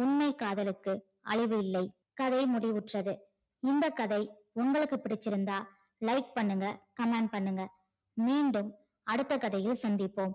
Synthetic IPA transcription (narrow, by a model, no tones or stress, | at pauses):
ʊnmɐɪkːaːðɐlɯkːɯ | ʔɐ̰ɭɪʋɯɪlːɐɪ | kɐðɐɪmʊɽɪʊʈrɐðɯ | ɪnd̪ɐkːɐðɐɪ | ʊŋɡɐɭɯkːɯpːɪɽɪt͡ʃːɪɾɯnd̪aː | lɐɪk̚pɐɳːɯŋɡɐkɐmeːɳɖ̚pɐɳːɯŋɡɐ | miːɳɖɯm | ɐɽɯt̪ːɐkɐðɐjɪlsɐnd̪ɪpːoːm